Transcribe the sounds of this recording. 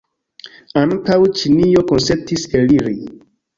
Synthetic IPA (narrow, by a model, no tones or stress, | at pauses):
aŋkawt͡ʃinijokonsetiseliɾi